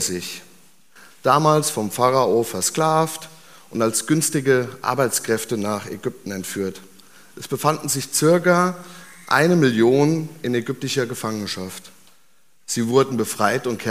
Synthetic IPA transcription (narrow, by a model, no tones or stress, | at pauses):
zɪç | d̥aːmaːlsfɔmfaʁaofɛɐskl̥aːft | ʔʊntalsɡ̥ʏnstɪɡəʔa̰ɐbaɪt͡skʁ̥ɛftənaːχɛ̰ɡʏp̚tn̩ɛntfyːɐt | ʔɛsb̥əfandn̩zɪçt͡sɪɐkɐʔa̰ɪnəmɪljoːnɪnɛɡʏp̚tɪʃɐɡəfaŋənʃaft | z̥iːvʊɐdn̩bəfʁ̥aɪtʊntkʰɛ